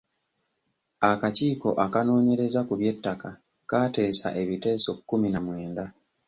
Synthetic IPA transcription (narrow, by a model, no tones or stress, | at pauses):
akaciːko̞ʔakano̞ːɲe̞ɾe̞zakuβje̞tːaka | kaːte̞ːsa̰ʔe̞βite̞ːso̞kːuminamwe̞ːnda